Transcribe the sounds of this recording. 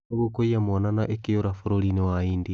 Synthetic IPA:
oɣokoiamwɔnanaʔekejoɾafoɾoɾinewaiːndi

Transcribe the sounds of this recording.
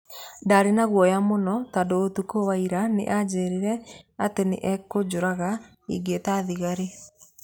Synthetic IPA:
ndaːɾenaɣwɔjamonɔtadoːtukowaiɾanḛʔad͡ʑeɾiɾɛatenḛʔɛkod͡ʑoɾaɣa | ḭɡetaðiɣaɾe

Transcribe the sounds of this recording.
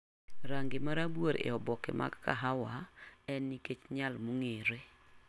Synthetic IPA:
ɾaŋɡɪmaɾaboɾḛɔbɔkḛmʔa̰ɡka̰ɦawaɛnːiket͡ʃɲalmuŋeɾe

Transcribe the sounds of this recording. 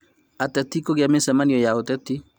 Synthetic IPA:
at̪at̪ikoɡamɛsamanijɔjaot̪ɛt̪i

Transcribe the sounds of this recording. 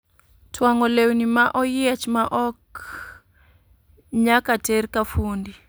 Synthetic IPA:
tʰwaŋɔlewnimaʔɔjiat͡ʃmaʔɔk | ɲakateɾkafundi

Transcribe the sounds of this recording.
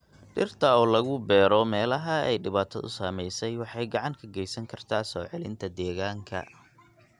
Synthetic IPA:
ɖɪrt̪ʰɐɔːlɐɣʊbɛːɾɔmɛːlɐɦɐɛ̰jɖɪβaːt̪ʰɐ̰ðʊ̰saːmɛjsɛjwɑħɑjɡɑʕɑŋkʰɐɡɛjsɐŋkʰɐrt̪ʰaːsɔːʕɛlɪ̰nt̪ʰɐd̪ɛːɣaːŋkʰɐ̰

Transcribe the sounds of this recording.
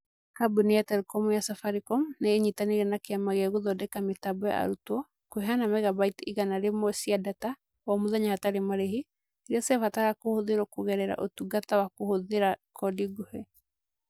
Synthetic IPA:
kabuniatɛɾkɔmujasafaɾikɔmneeɲitaneɾɛnakeamaɣɛɣoðɔdɛkametabɔja̰a̰ɾutwɔ | koɦanamɛɣabaitiɣanaɾemɔsiadata | wamoðaɲahataɾemaɾeɦi | eɾasɛvataɣakohoðeɾɔkoɣɛɾɛɾa̰ʔotuɡatawakohoðeɾakɔdiɡohe

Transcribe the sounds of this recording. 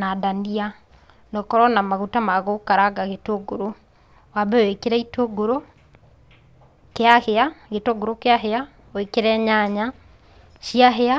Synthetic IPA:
nadania | nɔkɔɾɔnamaɣutamaɣokaɾaɡaɣetoɡoɾo | wabɛowekeɾɛitoɡoɾo | keaheaɣetoɡoɾokeaɦea | oekeɾɛɲaɲa | ʃiaɦea

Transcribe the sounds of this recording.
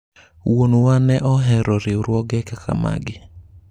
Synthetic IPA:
wonowanɛʔɔɦɛɾɔɾɪʊɾwɔɡɛkakʰa̰ma̰ɡɪ

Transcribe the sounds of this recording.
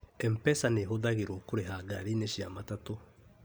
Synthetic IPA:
ɛmpɛsaneɦoðaɣeɾokoɾeɦaɡaɾineʃiamatato

